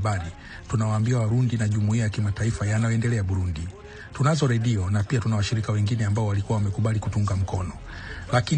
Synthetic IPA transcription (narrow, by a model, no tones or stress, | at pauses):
aɾi | tunawaːmbiawaɾundinaʄumuiajakimataifajanajɔɛndɛlɛaɓuɾundi | tunazɔɾɛɗiɔnapiatunawaʃiɾikawɛŋɡinɛambaɔwalikuawamɛkuɓalikutuŋɡam̩kɔnɔ | laki